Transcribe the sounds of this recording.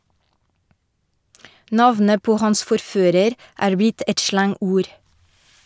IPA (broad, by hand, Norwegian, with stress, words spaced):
ˈnɑʋnə ˈpoː ˈhɑns fɔɾˈføːɾəɾ ˈʔæːɹ ˈbɪt ˈɛt ˈʃlɑŋˌuːɾ